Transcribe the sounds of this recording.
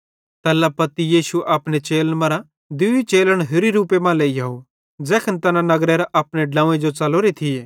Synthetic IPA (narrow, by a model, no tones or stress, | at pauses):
t̪ɛːlːapɐt̪ijiːʃuaːpnet͡ʃeːlmɐ̃ɾa | d̪ʊit͡ʃeːləɽ̃ɦʊɾiɾuːpemãleːiɦaːo | d͡zɛːkʰənt̪ɐnãnɐɡɾeɾaʔaːpɽ̃eɖlãːẽd͡ʒot͡sɐloːɾet̪ʰie